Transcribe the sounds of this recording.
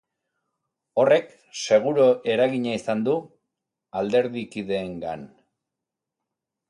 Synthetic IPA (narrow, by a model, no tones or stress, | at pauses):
o̞re̞k | se̞ɣ̞uɾoʔe̞ɾaɣiɲaisand̪u | ald̪e̞ɾðikiðe̞ːŋɡan